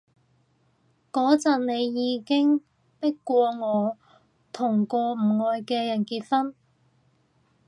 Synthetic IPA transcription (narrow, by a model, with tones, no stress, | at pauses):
kɔː˨˥t͡sɐ˨nne˨˧jjiː˨˧kɪ˥ŋ | pɪ˥kːʷwɔː˧ŋɔː˨˧ | t̪ʰʊ˨˩ŋkɔː˧m̩˨˩ŋɔː˨˧jkɛː˧jɐ˨˩nkiː˧t̚fɐ˥n